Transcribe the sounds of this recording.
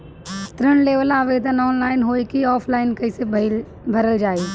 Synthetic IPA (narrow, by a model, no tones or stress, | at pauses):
t̪ɾəɳ̃leːʋəlaːʋeːd̪ʱənɔːnlaːɪnɦoːikiɔːfʰlaːɪnkɐɪseb | bʱɐɾəld͡ʒaːeː